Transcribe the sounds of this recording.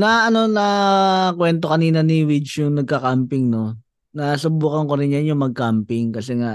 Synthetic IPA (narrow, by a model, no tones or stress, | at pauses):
nɐʔɐno̞nɐkwɛnt̪o̞kɐniːnɐniwɪt͡ʃjʊŋnɐɡ̚kɐkampɪŋno̞ | nɐsʊbuːkɐŋkoɾɪnjanjʊŋmɐɡ̚kampɪŋkɐsɛŋaʔ